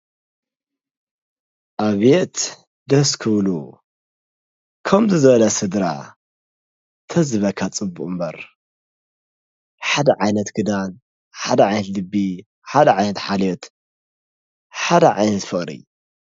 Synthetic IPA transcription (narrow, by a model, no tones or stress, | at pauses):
ʔaβet̪ | d̪ɐskʰɨβlu | kʰɐmzɨzɐβɐlɐsɨd̪ɾa̰ | t̪ʰɐzɨβɐkʰat͡sʼɨbːuʔʼumbɐɾ | ħad̪ɐʕajnɐt̪ɡɨd̪an | ħad̪ɐʕajnɐt̪lɨbːi | ħad̪ɐʕajnɐt̪ħalot̪ | ħad̪ɐʕajnɐt̪fɨχʼɾḭ